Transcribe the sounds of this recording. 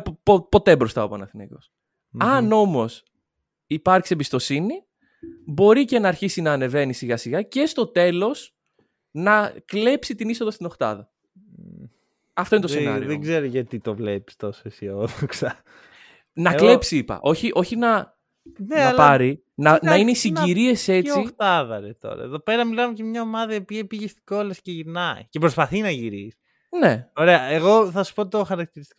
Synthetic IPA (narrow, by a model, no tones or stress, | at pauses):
popo̞t̪e̞bɾo̞st̪ɐopɐnɐθinḛko̞̰s | ɐno̞mo̞s | ipɐɾksiebist̪o̞sini | bo̞ɾice̞nɐːɾçisinɐːne̞ve̞nisiɣɐsiɣɐce̞st̪o̞t̪e̞lo̞s | nɐkle̞psit̪iniso̞ðɐst̪ino̞xt̪ɐ̰ðɐ | ɐfto̞int̪osenɐ̰ioðeɡzeɾoʝɐt̪it̪ovlepi̥st̪osesioðoksɐ | nɐkle̞psiipɐ̰ʔo̞çiʔo̞çinɐ | nɐlpaɾi | nɐnɐineisiɲɟiɾie̞se̞t͡sit̪ɐðɐɾet̪o̰ɾɐ̰eðo̞pe̞ɾɐmilɐmecɐmɲɐomɐðɐiopiɐpiʝest̪i̥ɡolɐsceʝinɐḭcepɾospɐθinɐʝiɾisi̥ | ne̞oɾe̞ɐeɣo̞θɐsu̥pot̪oxɐɾɐk̚t̪iɾist̪ik